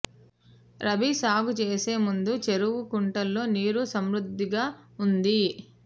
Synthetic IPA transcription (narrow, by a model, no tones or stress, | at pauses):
ɾɐbisaːɡut͡ʃe̞ːse̞ːmund̪ut͡ʃe̞ɾuʋukuɳʈɐlːo̞ːniːɾusɐmɾud̪ʱːiɡaːund̪i